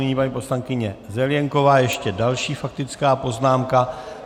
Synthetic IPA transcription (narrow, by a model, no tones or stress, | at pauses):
ɪɲiːpaɲiːpo̞slaŋkɪɲɛzɛljɛŋko̞vaːjɛʃcɛdalʃiːfak̚t̪ɪt͡skaːpo̞znaːmka